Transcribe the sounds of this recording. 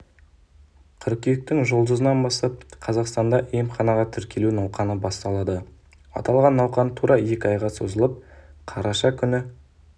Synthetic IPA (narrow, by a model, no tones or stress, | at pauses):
qʲʰʏɾkʲijɪk̚t̪ɪŋʒo̞lˠd̪əzənɑnbɑst̪ɑp̚qʰɑzɑqst̪ɑnd̪ɑʔejmχɑnɑʁɑt̪ʰʏɾkʲe̞lunɑwqɑnəbɑst̪ɑlˠɑd̪ə | ɑ̰t̪ɑlˠʁɑnːɑwqɑnt̪ʰuɾɑje̞kʲɪɑjʁɑso̞zəlˠəp̚qʰɑɾɑʃɑkʲʰʏnɪ